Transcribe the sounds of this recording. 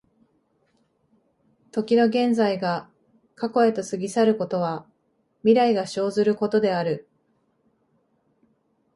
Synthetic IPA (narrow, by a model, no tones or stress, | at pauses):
t̪o̞kʲino̞ɡẽ̞nd͡zaiɡa | kako̞e̞t̪o̞sɨɡʲisaɾɯ̟ko̞t̪o̞β̞a | mʲiɾaiɡaɕo̞ːzɨɾɯ̟ko̞t̪o̞d̪e̞aɾɯ̟